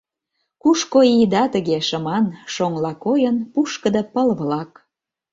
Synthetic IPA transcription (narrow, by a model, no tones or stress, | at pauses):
kuʃkoid̪ɑt̪əɣeʃə̆mɑnʃoŋlɑkojənpuʃkə̆d̪əpəlβlɑk